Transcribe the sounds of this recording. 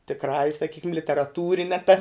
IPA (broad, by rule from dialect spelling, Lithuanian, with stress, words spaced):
tʲɪkˈrɑːjɛ sɐˈkʲiːkʲɪm lʲɪtʲɛrɐˈtuːrʲɪnʲɛ tɐ